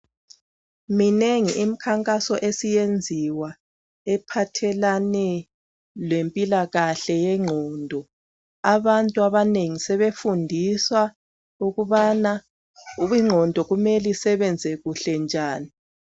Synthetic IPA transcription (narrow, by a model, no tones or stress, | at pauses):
mineŋiʔim̩kʰaŋkʼasɔʔesijend͡zʱiwa | ɛpʰatʰɛlanɛ | lwempʼilaɣaɬɛjɛŋ͡ǃʱɔːndʱɔ | aβantʼuaβaneŋisɛβefundʱiswa | uɣuβana | uβiŋ͡ǁʱɔndʱɔɣumelisɛβɛnd͡zʱɛɣuɬɛnd͡ʒʱaːni